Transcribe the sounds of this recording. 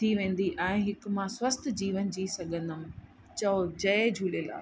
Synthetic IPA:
iʋẽːn̆d̪iʔɛ̃ːɦɪk̆mãswɐst̪ʰd͡ʑiːʋənd͡ʑiːsɐɠʱə̃nd̪əmɪ̆ | t͡ɕɐod͡ʑɐed͡ʑʱuːleːla̰ː

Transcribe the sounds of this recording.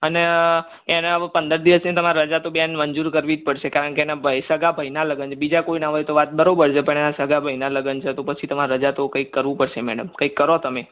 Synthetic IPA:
əne | enapənd̪əɾd̪iʋəsnet̪əmaɾaɾəd͡ʒat̪objanməɲd͡ʒuɾkəɾʋid͡ʒ̪̚pəɽʃekaɾəɳkeenabəisəɡabʱəjnaləɡənt͡ʃʰebid͡ʒakoinaɦojt̪oʋat̪̚bəɾobəɾt͡ʃʰepəɳenasəɡʱabʱəjnaləɡənt͡ʃʰet̪opət͡ʃʰit̪əmaɾəd͡ʒat̪okə̃ikːəɾʋũpəɽʃemɛ̰ɽəmkə̃ikːəɾot̪əme

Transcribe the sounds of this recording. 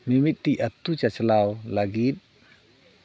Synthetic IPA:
mimit̪̚t̪iʔat̪ut͡ʃat͡ʃəlawlaɡit̪̚

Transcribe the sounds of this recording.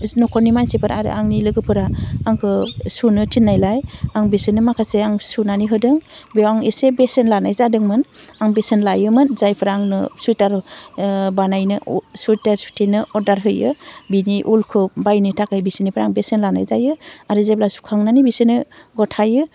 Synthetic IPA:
nɔkʰɔnimansepʰɯɾaɾɯ̰ʔaŋnilɯɡɯpʰɯɾaːŋkʰɯsunɯtʰinːajlajaŋbesɯnɯmakʰaseaŋsunaniɦɯdɯŋbewaŋesebesenlanajzadɯŋmɯn | aŋbesenlajɯmɯnzajpʰɯɾaːŋnɯsutaɾ | banajnɯsutaɾsu̥tʰinɯɔdaɾɦɯjɯbiniʔulkʰɯbajnitʰakajbisinipʰɯɾaŋbesenlana̰jzajɯaɾɯzajblasu̥kʰaŋnanibisɯnɯɡɔtʰajɯ

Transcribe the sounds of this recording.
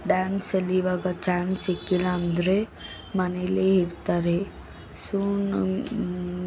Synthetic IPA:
ɖansəliʋaɡat͡ʃansekːiland̪ɾe | mɐneleɦiɾt̪aɾe | sun

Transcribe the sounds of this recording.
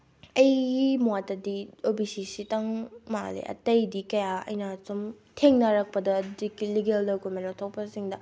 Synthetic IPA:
ɐjɡimuwatɐdiobisisitɐŋma̰lḛʔɐ̰tɐjdikɐjaɐ̰jnasum | tʰeŋnɐɾɐk̚pɐdɐdikiliɡeldɐwkomenotʰɐwpɐsiŋdɐ

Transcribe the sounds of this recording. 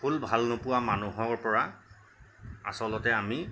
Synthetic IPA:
pʰulbʱalnopuwamanuɦɔɹpɔɹa | a̰sɔlɔtɛami

